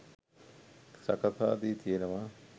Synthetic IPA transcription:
sɐ̰kɐt̪ʰaːd̪iːt̪ʰijenɐʋaː

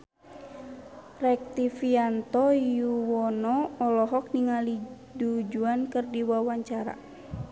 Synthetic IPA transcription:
rɛk̚t̪ifiant̪ɔjuwɔnɔɔlɔɦɔk̚niŋali | dud͡ʒuankɨrdiwawaɲt͡ʃaɾa̰

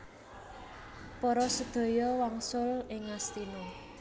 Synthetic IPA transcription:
pɔɾɔsəd̪̥o̤jɔwaŋsʊlɪŋːast̪inɔ

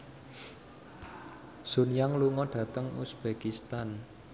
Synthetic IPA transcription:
z̥ṳnjaŋluŋɔɖ̥ä̤t̪əŋṵsb̥ekist̪an

